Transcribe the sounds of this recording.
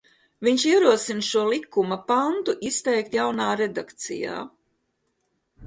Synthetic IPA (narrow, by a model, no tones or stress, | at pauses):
viɲʃiɛɾuɔsinʃuɔlˠikːumapant̪uʔist̪ɛjk̚t̪jawnaːɾed̪akt̪sḭja̰ː